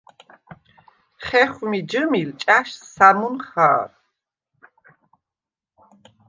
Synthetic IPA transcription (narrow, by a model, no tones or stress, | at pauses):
χɛχmid͡ʒəmilt͡ʃʼaʃsamunχa̰ːɾ